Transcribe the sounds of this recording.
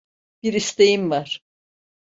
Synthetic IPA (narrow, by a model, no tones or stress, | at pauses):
b̥iɾist̪ejimvaɾ̥